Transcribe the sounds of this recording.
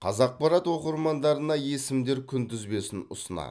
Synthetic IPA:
qʰɑzɑq̚pɑɾɑt̪wo̞qəɾmɑnd̪ɑɾənɑje̞sɪmd̪e̞ɾkʲʰʏnt̪ʰʏzbe̞sɪnʊ̰sənɑ̰

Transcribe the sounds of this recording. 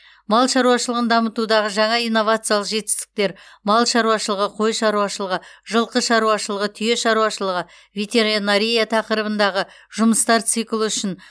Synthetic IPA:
mɑlˠʃɑɾuɑʃəlˠəʁənd̪ɑmət̪ud̪ɑʁəʒɑɴɑijnːo̞vat̪sɨjalˠəqʒe̞t̪ɪ̥st̪ɪ̥k̚t̪e̞ɾmɑlˠʃɑɾuwɑʃəlˠəʁəqʰo̞jʃɑɾuwɑʃəlˠəʁəʒəlˠqəʃɑɾuɑʃəlˠəʁət̪ʰʏje̞ʃɑɾuɑʃəlˠəʁə | vʲet̪e̞ɾinaɾʲijat̪ʰɑqəɾəbənd̪ɑʁə | ʒʊməst̪ɑɾt̪sɨjkʲɪlˠuʏʃɪn

